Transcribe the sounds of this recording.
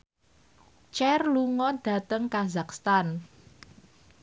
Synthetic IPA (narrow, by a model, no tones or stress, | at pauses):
t͡ʃɛrluŋɔɖ̥ä̤t̪əŋkazakst̪an